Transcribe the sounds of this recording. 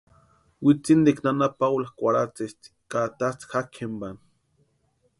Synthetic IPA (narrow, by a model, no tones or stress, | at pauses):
wit͡sind̪iknanapawlaxkʷaɾat͡sest̪i̥kat̪at͡sxakʰemban